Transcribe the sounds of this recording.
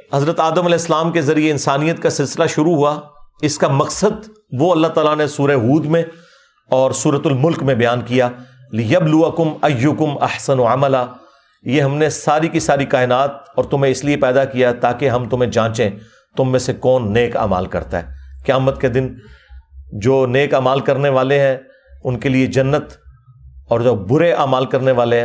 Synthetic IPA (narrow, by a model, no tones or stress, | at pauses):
hɐzɾət̪aːd̪əmɐlɛːɦɪsːəlaːmkezɐɾieɪnsaːnijət̪kasɪlsɪlaʃʊɾuɦuaɪskamɐksəd̪ | ʋoɐlːaɦt̪aːlanesuːɾeɦuːd̪mẽ | ɔːɾsuːɾət̪ʊlmʊlkmẽbɐjaːnkija | lɪjɐbluɐkʊmɐjːʊkʊmɐ̰ħsɐnʕamɐlaː | jeɦɐmnesaːɾikisaːɾikaːɪnaːt̪̚ɔːɾt̪ʊmɦẽɪsliepɛːd̪akijat̪aːkeɦɐ̃mt̪ʊm̤ẽd͡ʒãːt͡ʃẽ | t̪ʊmːẽsekɔːnːeːka̰ːma̰ːlkɐ̰ɾt̪aɦɛːkjaːmət̪ked̪ɪn | d͡ʒoːneːkaːmaːlkɐɾneʋaːleɦɛ̃ | ʊnkelied͡ʒɐnːət̪ | ɔːɾd͡ʒoːbʊɾeʔaːmaːlkɐɾneʋaːleɦ